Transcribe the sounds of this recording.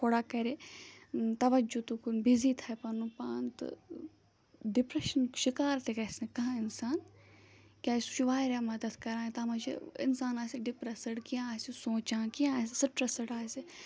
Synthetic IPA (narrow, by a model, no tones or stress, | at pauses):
kʰoɽakɐɾe | t̪ɐʋɐd͡ʒut̪ukunbizit̪ʰaːjpɐnupaːnt̪ɨ̰ | ɖɪpɾɐʃɐnʃɪkaːɾt̪ʰekɐsnɐkɐɦãɪnsaːn | kʲaːsut͡ʃuʋaːɾaːmɐd̪ɐd̪kɐɾãːt̪amɐt͡ʃʰḛɪ̰nsaːnaːsiɖɪpɾɐsɐɽkiãaːsisõːt͡ʃãːkiãaːs̬isɪʈɾɐsɐɽaːse